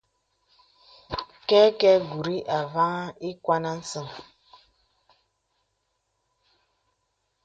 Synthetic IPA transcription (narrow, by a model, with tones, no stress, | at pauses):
kɛ˦kɛ˦ɡu˨ɾi˦ʔa˨va˦ŋa˦i˦kwa˦na˦n̩˦sɨ˦˨ŋ